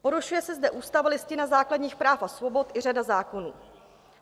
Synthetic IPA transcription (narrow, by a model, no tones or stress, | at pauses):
po̞ɾuʃujɛsɛzdɛʔuːst̪avalɪscɪnazaːkladɲiːxpɾaːfasvo̞bo̞t̪ʔɪr̝adazaːko̞nuː